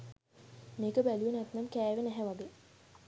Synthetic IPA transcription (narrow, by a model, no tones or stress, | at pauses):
meːkəbælujənæt̪namkæːʋenæɦɛʋaɡe